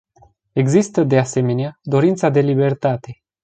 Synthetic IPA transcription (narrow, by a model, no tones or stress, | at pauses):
e̞ɡzist̪əd̪ease̞me̞nead̪o̞ɾint̪sad̪e̞libe̞rt̪at̪e̞